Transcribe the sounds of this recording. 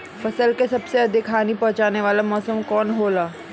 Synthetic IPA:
fɐsəlkesɐbseɐd̪ʱɪkʰaːnipɐ̃ɦt͡ʃaːneʋaːlamɔːsəmkɔːnɦoːlaː

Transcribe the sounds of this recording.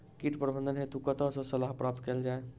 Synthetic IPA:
kiʈpɾəbʱənd̪ʱənɦet̪ukət̪əsə̃səlaɦpɾap̚t̪keld͡ʒae

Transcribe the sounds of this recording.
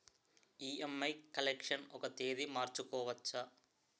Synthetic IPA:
iːemːɐɪkɐlekʂɐnɔkɐt̪eːðimaːɾt͡ʃːukːoːʋɐt͡ʃːɐ

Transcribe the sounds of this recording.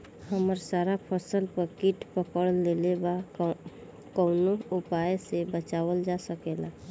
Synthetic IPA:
həməɾsaɾapʰəsəlpəɾkiʈpəkəɽleleba | kəʊnoupajsebət͡ʃabəld͡ʒasəkela

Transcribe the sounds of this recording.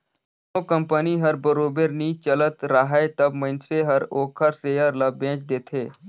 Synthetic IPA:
okə̃mpəniɦɐɾbəɾoːbəɾnit͡ʃələt̪ɾaɦaet̪ɐbməɪnseɦəɾoːkʰəɾsejəɾlɐbẽːt͡ʃd̪eːt̪ʰeː

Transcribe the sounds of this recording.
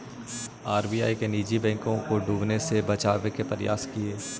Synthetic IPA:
aːɾbiːja̰ːikeniːd͡ʒibɛ̃ːŋkõkoɖuːbnesebɐt͡ʃaːʋekepɐɾɪja̰ːskieː

